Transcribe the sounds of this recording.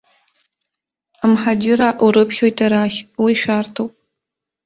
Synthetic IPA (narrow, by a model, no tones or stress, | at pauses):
amħad͡ʒɪɾaʔuɾɨpʰχʲojtʰʼaɾaχʲwiʃʷᶣaːrtʰowpʼ